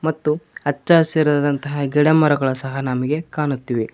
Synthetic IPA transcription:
mɐt̪ːuɐt͡ʃːasiɾaːd̪ɐnt̪ɐɦɐɡɛɽemɐɾɐɡɐɭɐsɐɦɐnɐmiɡe̞kaːɳut̪ːiʋi

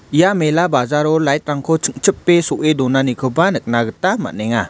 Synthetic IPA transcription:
ijamelabazaɾɔlajt̪̚ɾaŋkʰɔt͡ʃʰɯk̚t͡ʃʰəpːesoʔedɔnanikʰɯbanək̚naɡətama̰nɛŋa

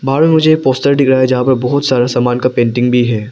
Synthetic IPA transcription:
bʱaːɾmẽmʊd͡ʒʱeːk̚poːsʈəɾɖɪkɾaːjed͡ʒɐɦãpɐɾbɔɦʊt̪saːɾasaːmaːnkapẽːɳʈɪ̃ŋɡbʱiɦɛː

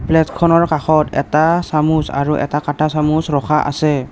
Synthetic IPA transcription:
plɛtkʰɔnɔɹkaxɔtɛtasamusa̰ɹuʔɛ̰takatasamusɹɔxʰaʔa̰sɛ

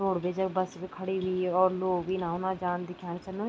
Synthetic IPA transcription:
ɾoːɽbeːd͡ʒəkbəsbikʰəɽiːʋiːɔːɾloːʋiːnãːonãːd͡ʒaːnd̪ɪkʰaːnt͡ʃəlːõː

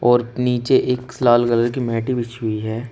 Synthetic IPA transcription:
ɔːɾniːt͡ʃeʔeːkslaːlɡələɾk̬imɛːʈibɪt͡ʃʰʊiɦɛː

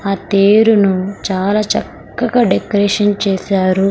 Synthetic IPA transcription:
aːt̪eːɾunut͡ʃaːlaːt͡ʃɐkːɐɡaɖekɐɾeːʂɐnt͡ʃɛːsaːɾu

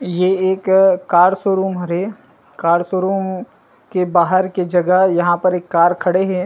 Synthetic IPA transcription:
jeeːkːaːɾsoːɾuːmɦɾe | kaːɾsoːɾuːm | kebaːɦəɾked͡ʒɐɡəɦjɐɦãpɐɾeːkːaːɾkʰɐɽeɦɛ̃ː

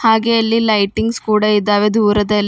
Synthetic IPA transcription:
haːɡeɐlːilɐjʈiŋɡskuːɽɐid̪ːaːʋed̪ʱuːɾɐd̪ɐlː

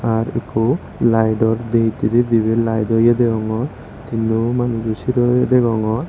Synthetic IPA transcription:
aɾḛku | lajɖɔɾd̪eɦit̪iɾed̪ibelajdɔjad̪eɡɔŋɔɾ | t̪inumanuɡusiɾɔjed̪eɡɔŋɔɾ

